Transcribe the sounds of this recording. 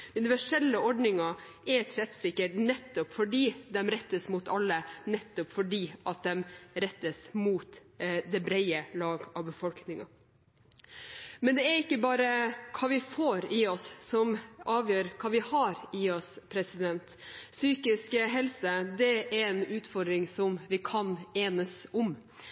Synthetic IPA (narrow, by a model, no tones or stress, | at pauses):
ʉnɪʋæʂɛlːəɔɖnɪŋɑ | ɛɾtɛfsɪkːəʈnɛt̪ːɔpfɔɖiːd̪ɛmɾɛt̪ːəsmut̪ɑlːənɛt̪ːɔpfɔɖiːʔɑt̪̚d̪ɛmɾɛt̪ːəsmuːt̪ | d̪ɛbɾɛɪəlɑːɡɑʋbəfɔlknɪŋɑ̰ | mɛnd̪ɛæɾɪkːəbɑːɾəkʰɑːʋɪfoːɾɪɔsːɔmɑːʋjøːɾkʰɑːʋɪhɑɾɪɔspʰɾɛsɪd̪ɛnt̪syːkɪskɦɛlsəd̪ɛæɾɛnʉːt̪fɔɾd̪ɾɪŋsɔmʋɪkʰɑneːnəsɔm